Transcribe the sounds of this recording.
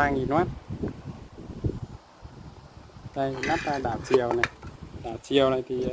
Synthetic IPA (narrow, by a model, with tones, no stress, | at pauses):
aː˧ŋi˨˩nwaː˦˥t̚ | ɗa˧jna˦˥t̚a˧ɗaː˧˨˩wt͡ɕi˨˩əwna˨˩jɗaː˧˩wt͡ɕi˨˩əwna˨˩jt̪ʰi˨˩